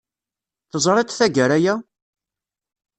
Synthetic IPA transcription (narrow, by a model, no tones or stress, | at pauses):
θəzˤɾˤet̪ˤθæɡəɾæjæ